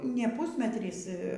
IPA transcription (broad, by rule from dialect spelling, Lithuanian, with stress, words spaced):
nʲɛ ˈpuːsʲmʲɛtʲrʲiːs